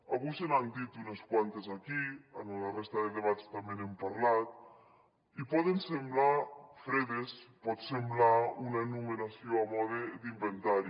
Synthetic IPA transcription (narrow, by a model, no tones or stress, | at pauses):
aβujsenand̪it̪uneskwant̪ezakianularest̪aðed̪eβat͡st̪amenempaɾlat̪̚ | ipɔðensemblafɾeðespɔt̪semblaunaenumenasioamɔðed̪imbent̪aɾi